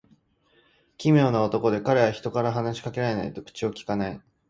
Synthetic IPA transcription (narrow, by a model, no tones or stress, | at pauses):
kʲimʲjo̞ːnao̞t̪o̞ko̞d̪e̞kaɾe̞βaçi̥t̪o̞kaɾaɦanaɕi̥kake̞ɾae̞na̰it̪o̞kɯ̟̥t͡ɕio̞kʲi̥kanai